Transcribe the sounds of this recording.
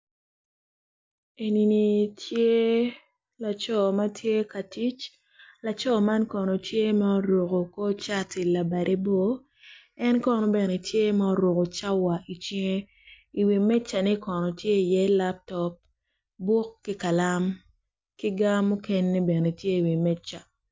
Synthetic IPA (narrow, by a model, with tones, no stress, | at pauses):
e˨ni˨ni˨tʰje˦ | la˨t͡ʃɔ˦˨ma˦tʰje˦ka˨ti˦t͡ʃ | la˨t͡ʃɔ˦ma˦nkɔ˨nɔ˨tje˦ma˦ɔ˦ɾo˨ko˨ko˦t͡ʃa˦ti˨la˨ba˨ɾʔe˦bo˦ | ɛ˦nkɔ˦˨nɔ˨bɛ˨ne˨tje˦ma˦ɔ˦ɾo˨ko˨t͡ʃa˦wa˨ʔi˨t͡ʃi˦ŋe˦ | i˨wi˨mɛ˦t͡ʃːa˨ni˦kɔ˨nɔ˨tje˦i˨jɛ˦la˦p̚tɔ˦p̚ | bɔ˦kːi˦ka˨la˦m | ki˦ɡa˦mːu˦ke˦nːe˦bɛ˨ne˨tje˦i˨wi˨mɛ˦t͡ʃːa˨